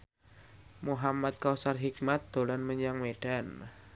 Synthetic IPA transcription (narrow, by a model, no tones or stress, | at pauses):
muɦamat̪̚kawsarɦik̚mat̪̚d̪̥o̤lanməɲaŋmeɖ̥an